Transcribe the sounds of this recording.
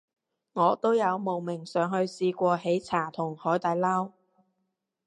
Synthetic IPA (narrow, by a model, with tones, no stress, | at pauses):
ŋɔː˨˧t̪o˥wjɐ˨˧wmo˨wmɪ˨˩ŋsœː˨˧ŋhɵ˧ɥsiː˧kʷɔː˧he˨˥jt͡sʰaː˨˩t̪ʰʊ˨˩ŋhɔː˨˥jt̪ɐ˨˧jlɐː˥w